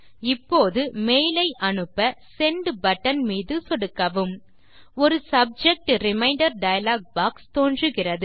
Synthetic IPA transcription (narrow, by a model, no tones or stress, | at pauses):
ɪpːoːðɯmejlɐɪʔɐnɯpːɐsɛɳɖbɐʈːɐnmiːðɯsɔɽɯkːɐʋɯm | ɔɾɯsɐb̚d͡ʒɛk̚ʈɾɪmɐɪɳɖɐɾɖɐjɐlaːɡ̚baːkst̪oːndrɯɣɪrɐðɯ